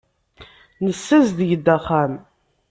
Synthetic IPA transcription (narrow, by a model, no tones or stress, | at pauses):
nəsːæzðəjəd̪ːæχːam